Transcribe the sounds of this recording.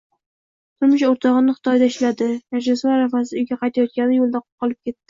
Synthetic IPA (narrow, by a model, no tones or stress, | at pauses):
t̪ʰʊɾmɪʃoɾt̪ʰɒʁɨnɪχɨ̥t̪ʰɒjd̪aɪʃlad̪ɪmaɾd͡ʒasaaɾafasɪʊjɡʲaqʰɑjt̪ʰajɒt̪̚kʲanɪjolˠd̪aqʰʊ̥p̚qʰɒlˠɪp̚kʲe̞t̪ːɪ